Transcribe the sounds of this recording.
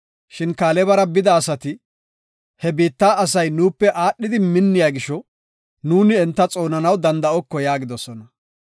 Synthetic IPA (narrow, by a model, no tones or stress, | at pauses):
ʃɪnkaːlɛbɐɾɐbɪd̪ɐːsɐt̪ɪ | hɛbiːt̪ːaːɐs̬ɐjnuːpːɛʔaːɗːɪd̪ɪmɪnːɪjaːɡɪʃːɔ | nuːnɪɛnt̪ːɐt͡sʼo̞ːnɐnɐwd̪ɐnd̪ɐɔkːɔjaːɡɪd̪ɔsɔnɐ